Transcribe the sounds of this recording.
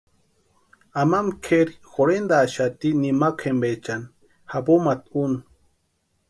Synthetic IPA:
amamkʰeɾixoɾend̪aːʃat̪inimakʰembet͡ʃan | hapomat̪unu

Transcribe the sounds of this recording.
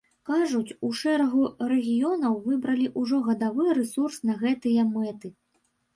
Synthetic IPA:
kaʐut͡sʲuʂɛɾɐɣuɾɛɣʲijɔnɐwvɨbɾɐlʲiʔuʐɔɣɐd̪avɨjɾɛsursnɐɣɛt̪ɨjɐmɛt̪ɨ

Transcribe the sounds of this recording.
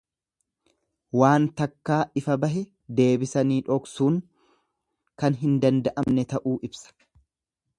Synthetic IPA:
waːnt̪ɐkːaːɪfɐbɐɦɛ | d̪e̞ːbɪsɐniːᶑɔksuːŋ | kɐnɦɪnd̪ɐnd̪ɐʔɐmnɛt̪ɐʔuːʔɪbsɐ̥

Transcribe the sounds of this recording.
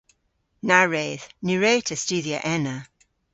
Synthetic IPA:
naɹeːðniɹeːtʰəstʉːðiə̰ʔɛnə

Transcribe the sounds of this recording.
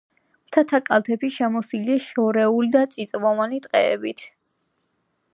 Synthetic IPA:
mt̪ʰat̪ʰakʼalˠt̪ʰɛpiʃɛmɔsiliaʃɔɾɛulid̪at̪sʼit̪sʼvɔvanit̪ʼqʼɛɛ̰bit̪ʰ

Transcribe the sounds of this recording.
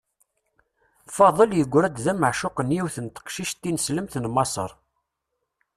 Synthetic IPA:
fɑðˤəljəɡʷːɾæd̪ðæməʕʃʊqənjiwθənt̪ə̥qʃiʃt̪ːinsləmθnmɑsˤə̰ɾˤ

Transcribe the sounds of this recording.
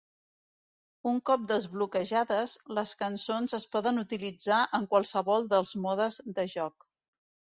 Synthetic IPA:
uŋkɔp̚d̪əzβlukəʒaðəzləskənsonzəspɔðənut̪ilid͡zaʔəŋkwalˠsəβɔlˠd̪əlˠzmɔðəzd̪əʒɔk̚

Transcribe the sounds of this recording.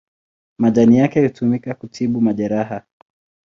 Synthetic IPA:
maʄanijakɛhutumikakutʰiɓumaʄɛɾaɦa

